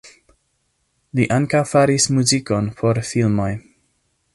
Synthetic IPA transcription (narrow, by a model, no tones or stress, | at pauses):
liʔaŋkawfaɾismuziko̞npʰo̞ɾfilmo̞j